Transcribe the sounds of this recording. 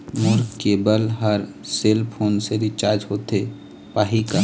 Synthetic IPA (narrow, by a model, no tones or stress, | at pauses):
mʊɾkkebəlɦəɾ | seːlpʰoːnseɾit͡ʃaːɾd͡ʒɦoːt̪e | paːɦika